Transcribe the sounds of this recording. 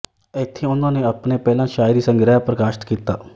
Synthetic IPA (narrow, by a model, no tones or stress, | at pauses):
ɪt̪ʰːeːʊnãːneːəpneːpɛːlãːʃaːɪɾiːsəŋɡɾaːapɾəkaːʃt̪kiːt̪a̰ː